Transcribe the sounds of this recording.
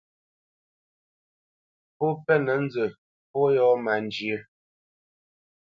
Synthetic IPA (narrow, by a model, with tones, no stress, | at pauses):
pɔ˦pɛ˦nə˨˦n̩˦d͡zə˨ | pɔ˦jɔ˦ma˨nd͡ʒjə˦